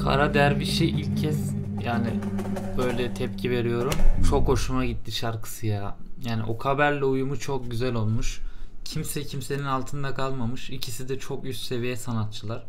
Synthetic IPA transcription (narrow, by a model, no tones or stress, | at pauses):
kʰa̰ɾad̪ejæɾbiʃejilʲccʰːɛz̥ | jaːnɪb̥ø̞jlʲɛt̪ʰɛpcʰive̞ɾijo̞ɾumt͡ʃʰo̞kho̞ʃumaɟit̪ːiʃaɾkʰɯ̥sɯjaːjaːnḭʔo̞kʰabæɾlʲɛujumut͡ʃʰo̞k̚ɟyzælʲo̞lˠmuʃcʰimsɛcʰimse̞ninalˠt̪ʰɯnd̪akʰalˠmamɯʃicʰisid̪ɛt͡ʃʰokjysʲt̪se̞vijɛsanat̪̚t͡ʃʰɯlˠaɾ̥